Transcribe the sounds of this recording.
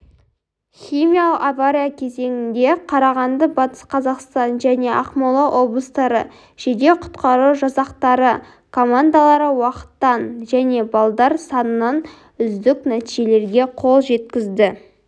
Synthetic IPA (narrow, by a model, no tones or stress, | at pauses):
χʲijmʲijalˠəqavaɾʲijakʲʰe̞ze̞ŋɪnd̪e̞qʰɑɾɑʁɑnd̪əbɑt̪ə̥sqʰɑzɑqst̪ɑnʒæne̞ʔɑ̰qmɑlˠɑʔo̞blˠəst̪ɑɾə̰ | ʒ̥ed̪e̞qʰʊ̥t̪qɑɾuwʒɑsɑq̚t̪ɑɾə | kʰo̞mand̪alˠɑɾəwɑqə̥t̪ːɑnʒæne̞bɑlˠd̪ɑɾsɑnənɑn | ʏzd̪ɪknæt̪iʒe̞le̞ɾɡʲe̞qʰo̞lˠʒe̞t̪kʲɪzd̪ɪ